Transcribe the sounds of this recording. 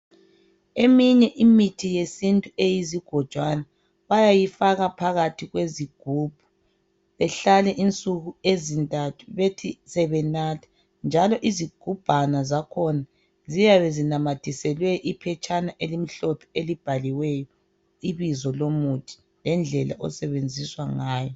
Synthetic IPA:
emiɲɛʔimitʰijesintʼuejiziɡ̥ʱɔ̥ʒ̥ʱwana | βajajifaɣapʰaɣatʰiɣweziɡ̥ʱub̥ʱu | βɛɬalɛʔint͡sʼuɣuezintʼatʰuβetʰisɛβɛnaːtʰḁ | nd͡ʒʱalɔʔiziɡ̥ʱub̥ʱanazakʰɔna | zijaβɛzinamatʰisɛlwɛʔipʰɛt͡ʃʼanaʔelimiɬɔt̪ʰɔelib̥ʱaliwɛjɔ | iβizɔlomutʰi̥ | lɛnd͡ɮʱɛla̰ʔɔ̰sɛβend͡zʱiswaŋaːjɔ

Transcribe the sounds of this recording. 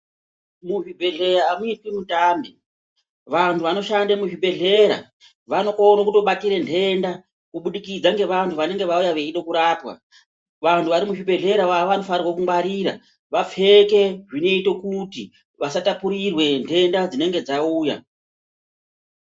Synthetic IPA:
muʐibʱe̞ɮe̞ɾaːmuitwimutaːmbi | ʋantʰuʋano̞ʃandamuʐibʱe̞ɮe̞ɾa̰ | ʋano̞konokuto̞ɓatiɾe̞ntʰe̞nda | kuɓuɗikid͡zaŋɡe̞ʋantʰuʋane̞ŋɡe̞ʋaujaʋeiɗokuɾaːpwa̰ | ʋantʰuʋaɾimuʐibʱe̞ɮe̞ɾawaʋano̞farirwakuŋbwaɾiːɾa̰ | ʋap͡fe̞ke̞ʐine̞ito̞kuti | ʋasatapuɾirwe̞ntʰe̞ndad͡zine̞ŋɡe̞d͡zauːja̰

